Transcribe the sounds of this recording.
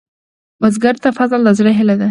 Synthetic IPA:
bazɡaɾt̪afazld̪azɽaɦɪlad̪a

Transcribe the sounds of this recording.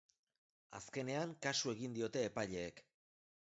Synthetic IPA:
a̰ske̞ne̞aŋkasue̞ɣind̪io̞t̪e̞ːpajʎe̞ːk

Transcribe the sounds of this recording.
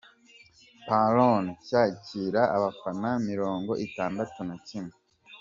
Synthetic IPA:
paloncaːciːɾa̰ːβafanamiɾo̞ːŋɡo̞ʔitaːndatunacime

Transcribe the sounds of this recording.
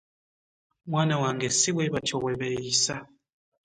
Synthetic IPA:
mwanawaŋɡɛsiwɛβatʰɔwɛβɛisa

